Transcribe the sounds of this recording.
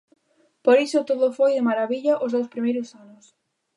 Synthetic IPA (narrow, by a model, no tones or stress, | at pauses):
poɾisot̪oðʊfojðɪmaɾaβiʎaʔozðowspɾimejɾʊsanʊs